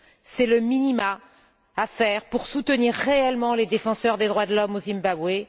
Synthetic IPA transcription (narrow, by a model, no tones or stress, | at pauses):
sɛləminimaː | fɛːʁpuʁsut̪əniʁːeɛlmɑ̃led̪efɑ̃sœʁd̪ed̪ʁwad̪əlɔmozimbabwe